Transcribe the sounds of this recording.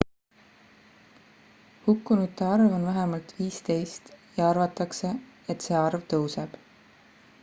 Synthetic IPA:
hukːˑunut̪ːeɑrvo̞nvæɦɛmɑlt̪viːst̪e̞jst̪jɑɑrvɑt̪ːˑɑkse̞et̪ːˑse̞ːɑrvt̪ɤwseb̥

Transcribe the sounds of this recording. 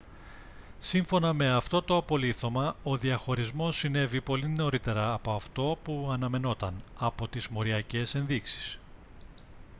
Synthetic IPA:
siɱfo̞nɐme̞ɐft̪o̞t̪o̞ɐpo̞liθo̞mɐo̞ðiɐxo̞ɾizmo̞sːine̞vipo̞lino̞ɾit̪e̞ɾɐːpo̞ɐft̪o̞puɐnɐme̞no̞t̪ɐnɐpo̞t̪izmo̞ɾiɐce̞se̞nðiksi̥s

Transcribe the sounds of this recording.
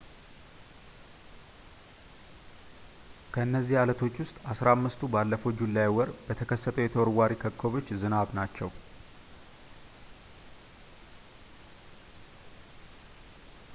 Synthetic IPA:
kʰəɨnːəzːihalət̪ʰo̞t͡ʃːwʊst̪ʼasɾamːɨst̪ʰubalːəfowd͡ʒulːajwɔɾbət̪ʰəkʰəsːət̪ʰəwjɛt̪ʰəwɔɾwaɾikʰəkʰːo̞βo̞t͡ʃːzɨnaβnat͡ʃːɛw

